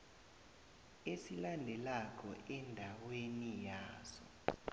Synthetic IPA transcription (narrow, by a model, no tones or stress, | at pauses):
esilandʱɛlak̬ʰʼɔ̰ʔɛndʱawenijaːzɔ